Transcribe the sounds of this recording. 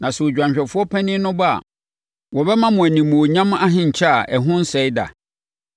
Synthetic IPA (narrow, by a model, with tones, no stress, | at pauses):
nã˨sɛ˨o˨d͡ʑᶣã˨ɲɕᶣɛ˨fʊ˦ɔ˦pʰɛ˦nɪ̃˦nʊ̃˦ba̰˨ | wɔ˨bɛ˦mã˦mʊ̃˨æ˨nĩ˨mʊ̃˨o˨ɲã˦ma˦ɦɪ̃˨ɲ̩˨t͡ɕʰa˦a˨ʔɛ˨ɦʊ̃˦n̩˦sɛ˨˦i˦da̰˨